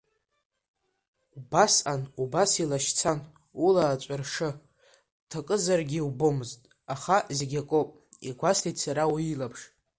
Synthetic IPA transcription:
ubasanubasilaʃt͡sʰan | ulaːt͡ʃʷʼarʂɨ | tʰakʼɨzarɡʲiwbomɨztʼ | aχazeɡʲakʼowpʼ | iɡʷastʰitsaɾawilapʰʂ

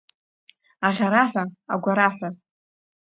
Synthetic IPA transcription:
aʁʲaɾaħʷᶣaa̰ɡʷaɾaħʷa

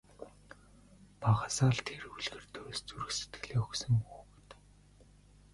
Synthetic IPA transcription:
paʁasaːɮt̪ʰeruɮɣɘ̆rt̪ʰɵɾst͡suɾɘ̆xset̪ɡ̥ɘ̆ɮeːɵxsɵ̆mpuː | t̪

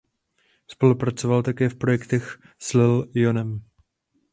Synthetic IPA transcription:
spo̞lupɾat͡sovalt̪akɛːfpɾojɛkt̪ɛx | slɪljonɛm

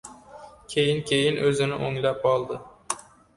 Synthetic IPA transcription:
kʲʰejɪnkʲʰejɪnʔɵzɪnɪʔoŋlapɒlˠd̪ɪ

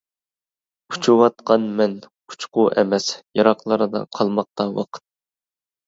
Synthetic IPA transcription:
ut͡ʃʰuwɑt̪qɑnmɛn | u̥t͡ʃqʊʔɛmɛsjɑɾɑqlˠɑɾɨd̪ɑ̰qʰɑlˠmɑq̚t̪ɑwɑ̰qʰə̥t̪̚

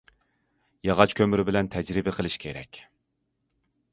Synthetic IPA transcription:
jɑʁɑt͡ʃkʲʰømyɾɪbɪlɛnt̪ʰɛd͡ʒɾɪbɪqʰəlˠɨʃkʲʰeɾɛ̰kʲ

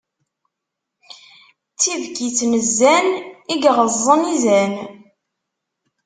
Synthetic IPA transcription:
t͡sːivkit͡sːməzːæniɡʁəzˤːənizæn

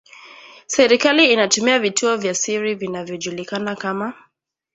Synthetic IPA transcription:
sɛɾikaliːnatumiavitʰuɔvjasiɾivinavjɔʄulikanakama

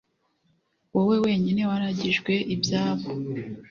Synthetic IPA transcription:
wowe̞we̞ːɲine̞waɾaɟiʒɡwe̞ʔibjaːβo

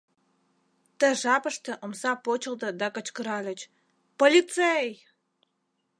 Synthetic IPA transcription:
t̪ə̆ʒɑpə̆ʃt̪ə̆ʔomsɑpot͡ɕə̆ld̪ɤ̆d̪ɑkə̆t͡ɕkə̆ɾɑlʲə̆t͡ɕ | polʲit̪t͡sej

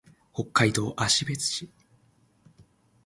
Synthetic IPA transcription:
ho̞kːaid̪o̞ːʔaɕibe̞t͡sɨ̥ɕi

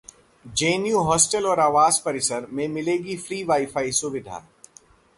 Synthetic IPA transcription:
d͡ʒeːnijuɦɔːsʈəlɔːɾaːʋaːzpɐɾɪsəɾmẽmɪleːɡifɾiːʋaːɪfaːisʊʋɪd̪ʱa̰ː

